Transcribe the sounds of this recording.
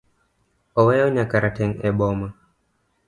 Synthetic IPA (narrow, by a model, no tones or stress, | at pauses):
ɔwɛjɔɲakaɾatɛŋɛɓɔma